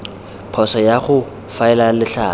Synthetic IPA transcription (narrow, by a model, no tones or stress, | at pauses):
pʰɔsɔjaχʊ | faɪlalɪɬaː